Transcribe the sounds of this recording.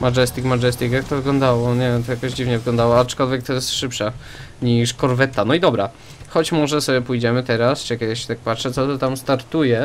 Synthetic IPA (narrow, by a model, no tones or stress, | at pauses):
mad͡ʒɛst̪ʲikmad͡ʒɛst̪ʲikjak̚t̪ɔvɘɡlɔnd̪awɔɲɛt̪ɔjakɔʑd͡ʑivɲɛvɘɡlɔ̃nd̪awɔat͡ʂkɔlvʲɛk̚t̪ɔjɛst̪ʂɘpʂa | ɲiʂkɔɾvɛt̪ːanɔid̪ɔbɾa | xɔt͡ɕmɔʐɛsɔbʲɛpujd͡ʑɛmɘt̪ɛɾast͡ʂɨkʲɛd̪ɘɕɛt̪ak̚patʂɛt̪sɔt̪ɔt̪amst̪aɾt̪ujɛ